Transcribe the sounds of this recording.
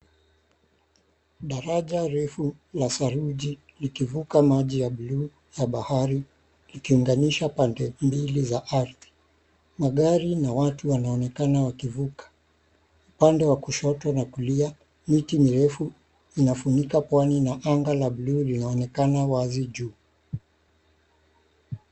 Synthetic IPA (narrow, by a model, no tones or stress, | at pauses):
ɗaɾaʄaɾɛfulasaɾuʄi | likivukamaʄijaɓlu | jaɓahaɾi | likiːŋɡaniʃapandɛmbilizaʔaɾði̥ | maɠaɾinawatuwanaɔnɛkanawakivukḁ | upandɛwakuʃɔtwanakulia | mitimiɾɛfu | inafunikapwaninaʔaŋɡalaɓluːlinaɔnɛkanawaziʄuː